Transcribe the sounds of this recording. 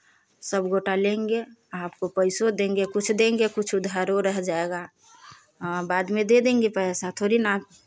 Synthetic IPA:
səbɡoʈalẽŋɡeaːp̚kopəɪsod̪ẽːŋɡekʊt͡ʃʰd̪ẽːŋɡekʊt͡ʃʰud̪ʱəɾoɾəɦd͡ʒaeɡa | baːd̪mẽd̪ed̪ẽːŋɡepəsat̪ʰoɾina

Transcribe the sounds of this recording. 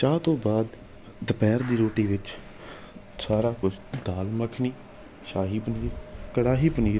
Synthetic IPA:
t͡ʃaːt̪õːbaːd̪ː | əpɛːɾd̪iːɾoːʈiːʋɪt͡ʃ | saːɾaːkʊt͡ʃʰd̪aːlməkʰniː | ʃaːɦiːpəniːɾkəɽaːɦiːpəniː

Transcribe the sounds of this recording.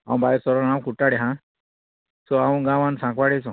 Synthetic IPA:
aw̃bʱajɾsɔɾɔnaw̃kuʈːaɽeɦã | sɔaw̃ɡãwãnsãŋkʋaɽesɔ̃

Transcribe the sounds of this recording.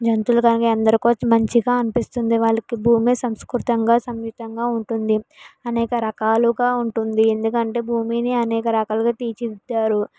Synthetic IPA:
d͡ʒɐnt̪ulɐkɐnikɐɐnd̪ɐɾikoːt͡ʃːɐmɐɲt͡ʃiɡaːɐnipist̪und̪iʋaːɭːɐkibʱuːmesɐmskɾut̪ɐŋɡaːsɐmjut̪ɐŋɡaːuɳʈund̪iɐnɛːkɐɾɐkaːluɡaːuɳʈund̪ie̞nd̪ukɐɳʈe̞ːbʱuːmiːniɐnɛːkɐɾɐkaːluɡaːt̪iːt͡ʃid̪ːaːɾu

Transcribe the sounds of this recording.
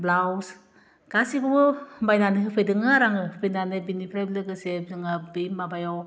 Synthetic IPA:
blaws | ɡ̥asiɡubɯmbajnanɯɦɯpʰɯjdɯŋaɾaŋɯɯpʰɯnanɯbinipʰɾajblɯɡɯsedɯŋabimabajaw

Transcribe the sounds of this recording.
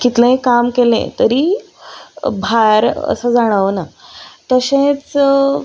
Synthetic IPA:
kit̪lẽekamkelḛ̃t̪əɾiː | bʱaɾə̰səd͡zaɽ̃əʋnat̪əɕẽt͡s

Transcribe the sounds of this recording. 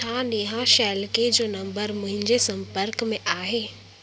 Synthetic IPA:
aːɗiɦãʃɛːlked͡ʑoːnɐ̃mbəɾmʊ̃ɦɪ̃ɲd͡ʑesɐ̃mpəɾkmẽʔaːɦeː

